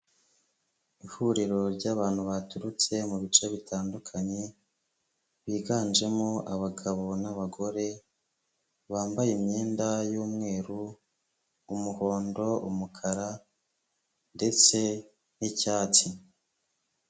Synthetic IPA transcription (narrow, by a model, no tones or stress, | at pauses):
ihuɾiɾo̞ɾɟaːβaːn̥huβatuɾut͡se̞muβit͡ʃe̞βitʰaːndukʰaɲe̞ | βiːɡaːnd͡ʒe̞moʔaβaɡaβo̞naβaɡo̞ɾe̞ | βaːmbajemɲeːndajuːmŋe̞ːɾuː | muho̞ːndo̞ṵmukʰaɾa | nde̞t͡se̞ | nicaːt͡si